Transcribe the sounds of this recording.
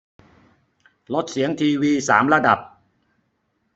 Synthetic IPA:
lo˦˥t̪̚si˩˦əŋt̪ʰiː˧wiː˧saː˩˦mɾa˧da˨˩p̚

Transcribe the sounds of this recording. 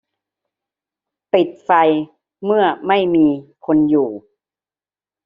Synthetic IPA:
pi˨˩t̪̚fa˧j | mɯ˥˩ɐma˥˩jmiː˧kʰo˧njuː˨˩

